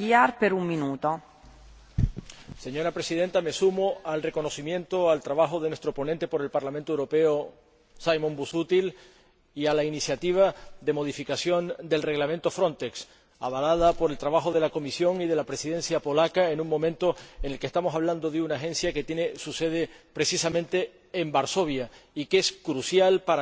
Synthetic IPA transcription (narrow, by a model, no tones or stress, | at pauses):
iaɾpeɾummĩnut̪o | se̞ɲo̞ɾapɾesiðe̞nt̪ame̞sumoalre̞ko̞no̞simjẽ̞nt̪o̞alt̪ɾaβaxo̞ðe̞nwe̞st̪ɾo̞po̞nẽnt̪e̞po̞ɾe̞lpaɾlamẽnt̪oewɾo̞pe̞o | sajmõmbusut̪il | ialainisjat̪iβ̞aðe̞mo̞ðifikasjo̞nd̪e̞lre̞ɣlamẽnt̪o̞fɾõ̞nt̪e̞ks | a̰βalað̞apo̞ɾe̞lt̪ɾaβaxo̞ð̞e̞lako̞misjo̞ŋið̞e̞lapɾe̞siðẽ̞nsjapo̞lakaenũŋmõ̞mẽnt̪o̞ene̞lkest̪amo̞saβland̪o̞ðeunaxẽ̞nsjake̞t̪jene̞suse̞ð̞e̞pɾe̞sisamẽ̞nt̪e̞ː | mbaɾso̞βjaikeskɾusjalpa